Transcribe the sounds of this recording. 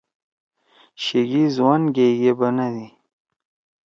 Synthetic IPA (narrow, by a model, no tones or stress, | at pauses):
ɕeɡizwanɡeɡebanad̪i